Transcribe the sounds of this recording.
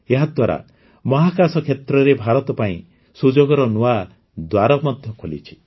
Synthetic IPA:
eɦad̪waɾa̰ | mɔɦakasɔkʰet̪ɾɔɾebʱaɾɔt̪ɔpaĩ | sud͡ʒoɡɔɾɔnua | d̪waɾɔmɔd̪ʱjɔkʰolḭt͡ʃʰi̥

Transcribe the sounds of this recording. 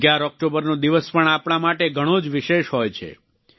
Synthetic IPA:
ɡjaɾɔk̚ʈobəɾnod̪iʋəspəɳapɳ̃amaʈeɡʱəɽ̃od͡ʒʋiʃeʃɦɔjt͡ʃʰḛ

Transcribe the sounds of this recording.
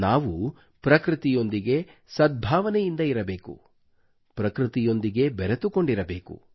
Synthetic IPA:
naːʋu | pɾɐkɾit̪ijo̞nd̪iɡe̞sɐd̪̚bʱaːʋɐnɛjind̪ɐiɾɐbeːkṵ | pɾɐkɾit̪ijo̞nd̪iɡe̞bɛɾet̪uko̞ɳɖiɾɐbe̞ːkṵ

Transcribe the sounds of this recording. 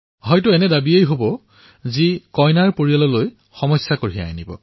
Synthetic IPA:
ɦɔjtuɛnɛdabiejɦobɔ | zikɔjnaɹpoɹialɔloj | xɔmɔjsjakoɹia̰jnibɔ̰

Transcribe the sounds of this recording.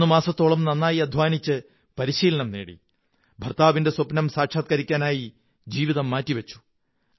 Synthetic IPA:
umaːsɐt̪ːo̞ːɭɐmnɐnːaːjiɐd̪ʱʋaːnit͡ɕːɨ | pɐɾiɕiːlɐɳɐmnḛːɽḭ | bʱɐrt̪aːʋinde̞swɐpnɐmsaːʈʂaːt̪̚kɐɾikʲːaːnaːji | d͡ʑiːʋiðɐmːaːtːiʋɐt͡ɕːu̥

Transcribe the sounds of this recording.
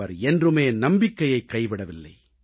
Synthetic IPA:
ɐɾɛndrɯmeːnɐmbɪkːɐjɐɪkːɐɪʋɪɽɐʋɪlːɐ̰ɪ

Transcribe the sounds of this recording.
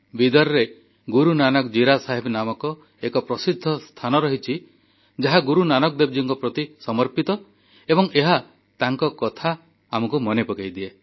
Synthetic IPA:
bid̪ɔɾɔɾe | ɡuɾunanɔkd͡ʒiɾasaɦebnamɔkɔ | ekɔpɾɔsid̪ʱːɔst̪ʰanɔɾɔɦit͡ʃʰi | d͡ʒaɦaɡuɾunanɔkd̪eb̚d͡ʒiŋkɔpɾɔt̪isɔmɔɾpit̪ɔ | ebɔŋʔeɦa | t̪aŋkɔkɔt̪ʰaː | mɔkumɔnepɔkejd̪ie

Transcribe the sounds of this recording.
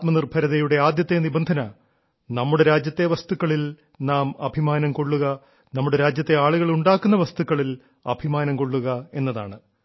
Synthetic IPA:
t̪mɐnirbʱɐɾɐðɐjuɽe̞aːd̪jɐt̪ːenibɐnd̪ʱɐnɐ | nɐmːuɽe̞ɾaːd͡ʑjɐt̪ːe̞ʋɐst̪ukːɐɭil | naːmɐbʱimaːnɐmko̞ɭːuɣɐ | nɐmːuɽe̞ɾaːd͡ʑjɐt̪ːe̞aːɭuɣɐɭuɳɖaːkːunːɐʋɐst̪ukːɐɭil | ɐbʱimaːnɐmko̞ɭːuɣɐe̞nːɐða̰ːɳɨ

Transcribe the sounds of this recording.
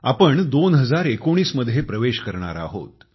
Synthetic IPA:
apəɳd̪onɦəd͡zaɾekoɽ̃iːsməd̪ʱːjepɾəʋeɕkəɾɳa̰ɾa̰ɦo̰t̪

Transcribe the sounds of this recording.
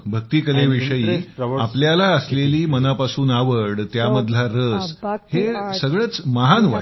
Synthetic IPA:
bʱək̚t̪iːkəleʋiʂəjiːapljalaəsleliːmənapasuːnaʋəɽt̪jaməd̪laɾəshesəɡɭət͡sməɦanʋa

